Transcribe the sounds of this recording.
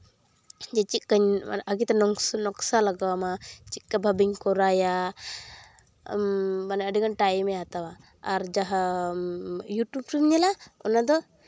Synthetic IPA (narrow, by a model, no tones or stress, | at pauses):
d͡ʒɛt͡ʃit̪̚kaɲ̰nʔaɡit̪ɛnɔnɔksalaɡawamat͡ʃit̪̚kabʱabiŋkɔɾaja | manaəɖiɡanʈajmɛat̪awaː | ɾd͡ʒaɦa | juʈub̚ʈubɲɛlaɔnad̪ɔ